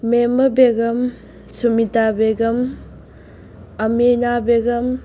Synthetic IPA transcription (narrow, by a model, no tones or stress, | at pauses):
memɐbeɡɐm | sumitabeɡɐm | ɐminabeɡɐm